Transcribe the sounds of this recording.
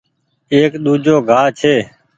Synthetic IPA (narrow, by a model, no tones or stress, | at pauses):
eːkɗ̪uːd͡ʒoːɡʱaːt͡ʃʰeː